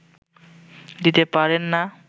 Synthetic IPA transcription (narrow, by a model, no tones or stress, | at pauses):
d̪it̪epaɾenːa